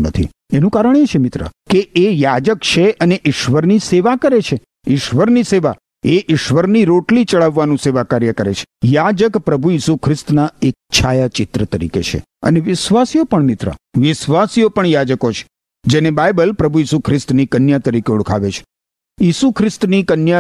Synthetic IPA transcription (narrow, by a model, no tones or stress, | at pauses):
nə̰t̪ʰḭ | enũkaɾəɳet͡ʃʰemɪt̪ɾə̰keejad͡ʒəkt͡ʃʰeʔəneʔɪʃʋəɾniseʋakəɾet͡ʃʰe | ɪʃʋəɾniseʋa̰ | eʔɪʃʋəɾniɾoʈlit͡ʃəɭaʋːanũseʋakaɾjəkəɾḛt͡ʃʰe̥jad͡ʒəkpɾəbʱujisukʰɾɪst̪naek̚t͡ʃʰajat͡ʃɪt̪ɾət̪əɾḭkḛt͡ʃʰḛ | ə̰neʋɪʃʋasijopəɳmɪt̪ɾə̰ʋɪʃʋasijopəɳjad͡ʒəkot͡ʃʰe̥ | d͡ʒenebajbəlpɾəbʱujisukʰɾɪst̪nikənjat̪əɾikeʊɽkʰa̰ʋet͡ʃʰe̥ | jisukʰɾɪst̪nikənja